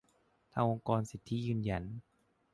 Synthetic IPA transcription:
t̪ʰaː˧ŋʔo˧ŋkɔː˧nsi˨˩t̪ʰːi˦˥jɯː˧nja˧˩n

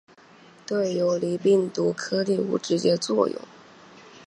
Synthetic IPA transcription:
t̪we˥˩ɪjo˧˥ʊli˧˥pi˥˩ŋt̪u˧˥kʰɤ˥li˥˩ṵ˧˥ʈ͡ʂɻ̩˧˥t͡ɕjɛ˥t͡swɔ˥˧jʊ̰˥˩ŋ

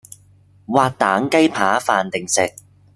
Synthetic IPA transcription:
waː˧k̚t̪aː˨˥ŋkɐ˥jpʰaː˨˥faː˨nt̪ɪ˨ŋsɪ˨k̚

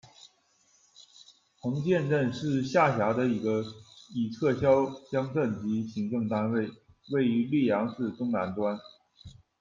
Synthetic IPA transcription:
pʰɤ˧˥ŋt͡ɕjɛ˥˧nɻə˥˧nʂɻ̩˥˧ɕja˥˩ɕja˧˥d̪ə˧i˧˥ɡə˧i˨˩ʈ͡ʂʰɤ˥˩ɕjɑ˥ʊt͡ɕjɑ˥ŋʈ͡ʂə˥˩nt͡ɕi˧˥ɕi˧˥ŋʈ͡ʂɤ˥˩ŋt̪a˥nwe˥˩ɪ | we˥˩ɪy˧˥li˥˩jɑ˧˥ŋʈ͡ʂɻ̩˥˩t̪ʊ˥ŋna˧˥nt̪wa˥n

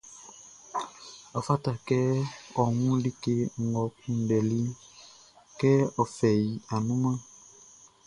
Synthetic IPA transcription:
a˨fa˦ta˨kɛ˦ɔ˨ŋũ˦li˦ke˦ŋ˨ɡɔ˨kũ˨˦ɖɛ˨li˦ | kɛ˦ɔ˨fɛ˨ji˨a˨nũ˦mã˦

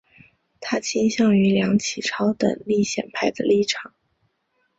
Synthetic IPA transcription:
t̪ʰa˥t͡ɕʰi˥nɕjɑ˥˩ŋy˧˥ljɑ˧˥ŋt͡ɕʰi˨˩ʈ͡ʂʰɑ˥ʊt̪ə̰˨˩ŋli˥˩ɕjɛ̰˨˩npʰa˥˩ɪd̪ə˩li˥˩ʈ͡ʂʰɑ˨˩˦ŋ

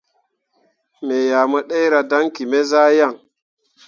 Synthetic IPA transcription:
me˨ja˨ma˦ɗe˦jɾa˨da˦ŋki˨me˦zaː˦ja˦˨ŋ

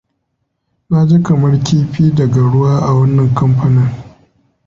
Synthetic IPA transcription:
na˦d͡ʒe˦kɐ˨mɐ˦rkʲiː˦ɸiː˦dɐ˨ɡa˨ɽʊ˦waː˦ʔa˨wɐ˦nːɐ˨ŋkɐ˦mɸɐ˦nɐ˦ŋ

